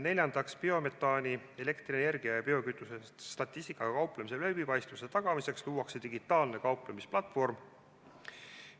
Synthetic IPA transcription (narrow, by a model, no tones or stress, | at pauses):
ne̞lʲjɑnd̪̥ɑkspio̞me̞t̪ːˑɑːnʲie̞le̞kt̪riene̞rɡ̥iɑjɑpio̞kyt̪ːˑuset̪st̪ɑt̪ʲˑːist̪ikːˑɑkɑwplemise̞lebipɑjst̪vuse̞t̪ɑɡ̥ɑmise̞ksluːwɑkset̪iɡit̪ːˑɑːlne̞kɑwplemisplɑt̪ːˑfo̞rm